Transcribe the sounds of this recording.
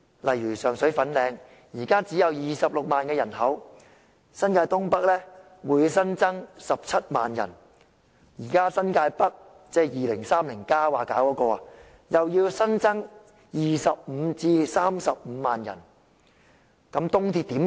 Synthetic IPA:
lɐ˨jyː˨˩sœː˨˩ŋsɵ˨˥ɥfɐ˨˥nlɛː˨˧ŋ | jiː˨˩kaː˥t͡siː˨˥jɐ˨˧wjiː˨˩sɐ˨p̚lʊ˨k̚maː˨nkɛː˧jɐ˨˩nɦɐ˨˥w | sɐ˥nkaː˧jt̪ʊ˥ŋpɐ˥k̚lɛː˥ | wuː˨˥jsɐ˥nt͡sɐ˥ŋsɐ˨p̚t͡sʰɐ˥t̚maː˨njɐ̰˨˩n | jiː˨˩kaː˥sɐ˥nkaː˧jpɐ˥k̚ | t͡sɛː˥jiː˨lɪ˨˩ŋsaː˥mlɪ˨˩ŋkaː˥waː˨˩kaː˨˥wkɔː˨˧˥kɔː˧a˨ | jɐ˨wjiː˧wsɐ˥nt͡sɐ˥ŋ | jiː˨˩sɐ˨p̚m̩˨˧t͡siː˧saː˥msɐ˨p̚m̩ː˨˧maː˨njɐ̰˨˩n | kɐ˨˥mt̪ʊ˥ŋt̪ʰiː˧t̪iː˨˥m

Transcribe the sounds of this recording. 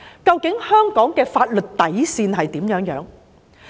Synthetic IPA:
kɐ˧wkɪ˨˥ŋhœː˥ŋkɔː˨˥ŋkɛː˧faː˧t̚lɵ˨t̚t̪ɐ˨˥jsiː˧nɦɐ˨jt̪iː˨˥mjœː˨˥ŋjœ̰ː˨˥ŋ

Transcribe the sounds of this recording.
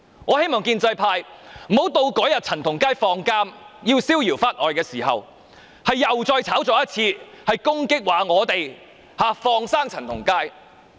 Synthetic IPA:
ŋɔː˨˧he˥jmɔː˨˩ŋkiː˧nt͡sɐ˧jpʰaː˧jm̩˨˩ho˨˥wt̪o˧wkɔː˨˥jɐ˨t̚t͡sʰɐ˨˩nt̪ʰʊ˨˩ŋkaː˥jfɔː˧ŋkaː˥mjiː˧wsiː˥wjiː˨˩wfaː˥t̚ʔɔː˨jkɛː˧siː˨˩hɐ̰˨w | hɐ˨jːɐ˨wt͡sɔː˧jt͡sʰaː˨˥wt͡sɔː˨˧˥jɐ˥t̚t͡sʰiː˧ | hɐ˨jkʊ˥ŋkɪ˥k̚waː˨˧ŋɔː˨˧t̪e˨j | haː˨˧fɔː˧ŋsaː˥ŋt͡sʰɐ˨˩nt̪ʰʊ˨˩ŋkaː˥j

